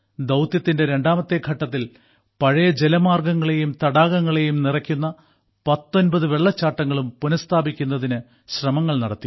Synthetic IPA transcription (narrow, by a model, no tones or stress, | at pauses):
d̪ɐwt̪jɐt̪ːinde̞ɾe̞ɳɖaːmɐt̪ːe̞ɡʱɐʈːɐt̪ːil | pɐɻɐjɐd͡ʑelɐmaːrɡɐŋːɐɭe̞jumt̪ɐɽaːɣɐŋːɐɭe̞jumnirɐkʲːunːɐ | pɐt̪ːo̞nbɐðɨʋe̞ɭːɐt͡ɕːaːʈːɐŋːɐɭumpunɐst̪ʰaːbikʲːunːɐðinɨ | ɕrɐmɐŋːɐɭnɐɽɐt̪ːi